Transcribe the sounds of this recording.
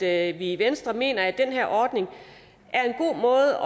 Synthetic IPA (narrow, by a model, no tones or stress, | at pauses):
ʋiʋensd̥ʁɐme̝̰ːnɐæd̥enɦeɐʔɒːd̥ne̝ŋ | ʔæɐe̝nɡ̥o̝̰ːmɔ̽ːð̩ˠɒ